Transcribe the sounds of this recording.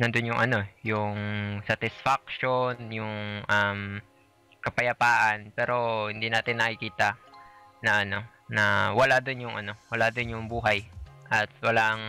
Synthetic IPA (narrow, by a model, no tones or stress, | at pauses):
nɐnd̪onjʊŋʔɐno̞jʊŋsat̪ɪsfak̚ʃonjʊŋʔɐm | kɐpɐjɐpaːʔɐnpɛːɾo̞hɪnd̪iːnaːt̪ɪnːɐɪkiːt̪ɐ | nɐʔɐno̞ | nɐwɐlad̪onjʊŋʔɐno̞wɐlad̪onjʊŋbuːɦɐjʔɐt̪̚wɐlaʔɐŋ